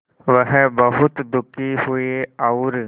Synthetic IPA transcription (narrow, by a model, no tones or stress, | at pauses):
ʋəɦbɐɦʊt̪d̪ʊkiɦʊeaʊɾ